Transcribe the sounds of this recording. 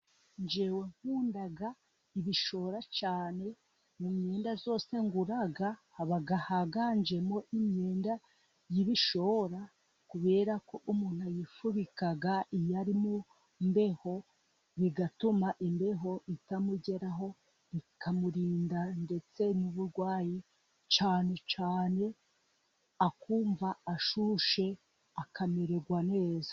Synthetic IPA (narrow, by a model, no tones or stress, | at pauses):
ɲd͡ʒe̞we̞ŋhuːndaɡa | iβiʃo̞ɾat͡ʃaːne̞ | mumɲe̞ːndazo̞ːse̞ŋɡuɾaɡahːβaɡahaɡaɲd͡ʒe̞mo̞ʔimɲe̞ːnda | jiβiʃo̞ɾa | kuβe̞ːɾako̞ʔumuːn̥huajifuβikaɡaʔijaɾimu | mbe̞ho̞ | βiɡatumaʔimbe̞ɦo̞ʔitamuɟe̞ɾaɦo̞ | ikʰamuɾiːndande̞t͡se̞nuβuɾɡwaːji | t͡ʃaːne̞t͡ʃaːne̞ | akuːɱvaːʃuʃe̞ | akʰame̞ɾeɡwane̞ːzḁ